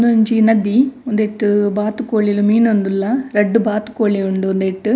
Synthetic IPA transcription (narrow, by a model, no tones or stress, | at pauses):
nd̪uɲd͡ʒinɐd̪ːiɔnd̪eʈːɯbaːt̪ːɯkːoːɭilumiːnʋɐnd̪ɯlːɐɾɛɖːɯbaːt̪ːɯ̥kːoːɭiuɳɖɯɔnd̪eʈːɯ